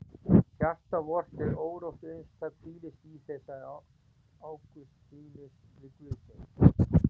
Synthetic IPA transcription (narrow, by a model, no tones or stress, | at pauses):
sjar̥t̪avɔr̥t̪ɛɾoːwɾowht̪ejnst̪ʰak̪ʰfiːlɪst̪iθɛsa | aːwkʏsfiːnɪslɪkvʏðsɪn